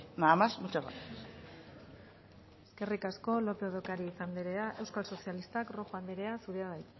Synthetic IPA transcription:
naːmasmut͡ʃaβa̰t̪ | e̞ske̞rikasko̞lo̞peoðokaɾiːsand̪iɾe̞aʔe̞wskalso̞sialist̪akro̞xoand̪eɾe̞asuɾeaðajt̪

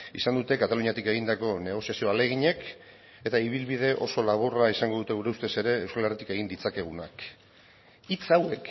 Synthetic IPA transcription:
isand̪ut̪e̞kat̪aluɲiat̪ike̞ɣ̞ind̪ako̞ne̞ɣ̞o̞siasio̞ale̞ɣ̞iɲe̞k | e̞t̪aiβ̞ilβiðe̞ʔo̞so̞laβ̞oraisaŋɡo̞ðut̪e̞ɣuɾe̞ust̪ese̞ɾe̞ːwskalerit̪ike̞ɣind̪it͡sake̞ɣ̞unak | it͡sawe̞k

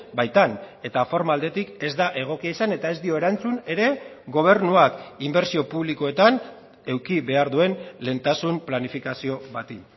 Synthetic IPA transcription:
bajt̪ane̞t̪afo̞ɾmald̪e̞t̪ike̞zd̪aʔe̞ɣ̞o̞kiaisane̞t̪ae̞zd̪io̞e̞ɾant͡sune̞ɾe̞ | ɣo̞β̞e̞ɾnuakimbe̞ɾsio̞puβliko̞e̞t̪an | e̞wkiβe̞aɾðue̞nle̞ːnt̪asumplanifikasio̞βat̪in

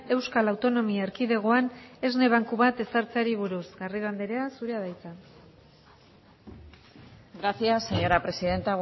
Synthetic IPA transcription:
e̞wskalawt̪o̞no̞miaeɾkiðe̞ɣ̞o̞ane̞zne̞β̞aŋkuβat̪e̞saɾt͡saɾiβ̞uɾusɣariβand̪eɾe̞asuɾeað̞ajt͡sa | ɡɾaθjasːe̞ɲo̞ɾapɾe̞siðe̞nt̪aɣ

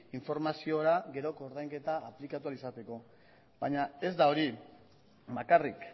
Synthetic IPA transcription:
iɱfo̞ɾmasio̞ɾaɡe̞ɾo̞koɾðajŋke̞t̪aːplikat̪ualisat̪e̞ko̞ | baɲae̞zd̪ao̞ɾi | bakarik

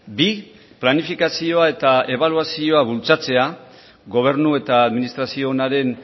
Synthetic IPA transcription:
bi | planifikasio̞ae̞t̪ae̞βaluasio̞aβult͡sat͡se̞a | ɡo̞β̞e̞ɾnue̞t̪aːðminist̪ɾasio̞naɾe̞n

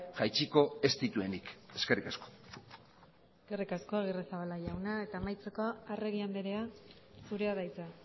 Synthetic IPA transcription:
ʝajt͡ʃiko̞e̞st̪it̪ue̞nike̞ske̞rikasko̥ | eske̞rikasko̞aɣiresaβalaʝawnae̞t̪aːmajt͡sekoaare̞ɣiand̪eɾe̞asuɾe̞aðajt͡sa

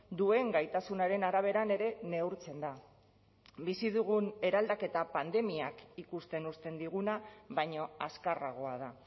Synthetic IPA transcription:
d̪ue̞ŋɡajt̪asunaɾe̞naɾaβ̞e̞ɾane̞ɾe̞ne̞uɾt͡se̞nd̪a | bisiðuɣ̞une̞ɾald̪ake̞t̪apand̪e̞miakikust̪e̞nust̪e̞nd̪iɣ̞unaβajɲo̞askaraɣ̞o̞aða

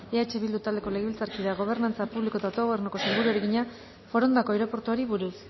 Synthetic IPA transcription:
eat͡ʃe̞βild̪ut̪ald̪eko̞leɣeβilt͡saɾkiðaɣo̞β̞e̞ɾnant͡sapuβlikot̪aot̪o̞ɣo̞βeɾnoko̞selɡuɾueɾeɣiɲa | fo̞ɾo̞nd̪ako̞ewɾo̞po̞ɾt̪uoɾiβuɾus

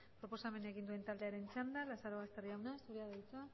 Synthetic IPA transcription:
ppɾo̞po̞same̞naeɣind̪ue̞nt̪ald̪e̞aɾe̞nt͡ʃand̪alasaɾoβast̪eriawnasuɾiaðait͡sa

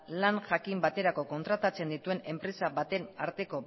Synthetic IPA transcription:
lanʝakimbat̪e̞ɾako̞ko̞nt̪ɾat̪at͡se̞nd̪it̪ue̞ne̞mpɾe̞saβat̪e̞naɾt̪e̞ko̞

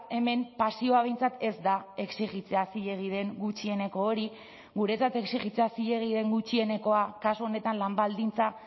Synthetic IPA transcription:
e̞me̞mpasio̞aβe̞jnt͡sat̪e̞zd̪ae̞ksiɣit͡seasiʎe̞ɣ̞ið̞e̞ŋɡut͡ʃie̞ne̞ko̞ːɾi | ɣuɾe̞t͡sat̪e̞ksiɣit͡seasiʎe̞ɣ̞ið̞e̞ŋɡut͡ʃie̞ne̞ko̞akasuone̞t̪anlambald̪int͡sa

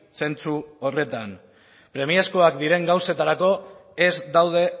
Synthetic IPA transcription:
se̞nt͡suo̞re̞t̪an | pɾe̞miesko̞akd̪iɾe̞ŋɡawse̞t̪aɾako̞ezd̪awð̞e̞

